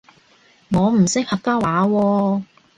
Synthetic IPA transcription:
ŋɔː˨˧m̩˨˩sɪ˥k̚hɐ˨k̚kːaː˥waː˨˥wɔː˧

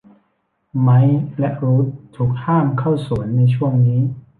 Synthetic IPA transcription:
ma˦˥jlɛ˦˥ʔɾuː˦˥t̪̚ʰːuː˨˩k̚haː˥˩mkʰa˥˩wsu˩˦ənːa˧jt͡ɕʰu˥˩əŋniː˦˥

